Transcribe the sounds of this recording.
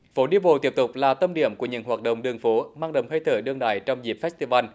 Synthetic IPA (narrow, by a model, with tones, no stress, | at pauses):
fo˨˦ɗi˧əɓo̰˨t̪i˦˥əp̚t̪ʊ˨˩k͡p̚laː˨˩t̪ə˧mɗḭ˧˩əmku˧˩əɲɨ̰˧˥ŋɦwaː˨˩t̚ɗə̰˧˨wŋ͡mɗɨ˨˩əŋfo˨˦maː˧ŋɗə̰˨˩ŋ͡mhə˧jt̪ʰəː˨˦ɗɨ˧əŋɗa̰ː˧˨jt͡ɕɔ˧wŋ͡mzi˨˩p̚fɛ˦˥st̪i˧vaː˧n